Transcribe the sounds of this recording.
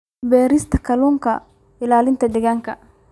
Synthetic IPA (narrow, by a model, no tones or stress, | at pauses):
bɛːɾɪst̪ɐkɐluŋkɐ | ɪlaːlɪnt̪ɐdɪɡɐŋkɐ